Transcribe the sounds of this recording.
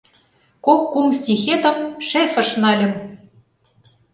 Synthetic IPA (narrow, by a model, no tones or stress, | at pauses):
kokːumst̪ʲixet̪ə̆mʃefɤ̆ʃnɑlʲɘ̆m